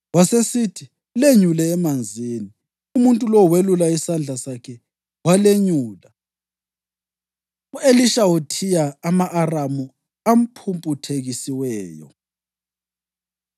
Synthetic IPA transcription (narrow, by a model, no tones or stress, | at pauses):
wasesitʰi | leɲulɛːmand͡zʱiːni | umuntʼulɔwelulaisand͡ɮʱasakʰɛ | waleɲuːla | ueliʃawutʰijaːmaʔːramu | am̩pʰumpʼutʰeɣisiwɛːjɔ̰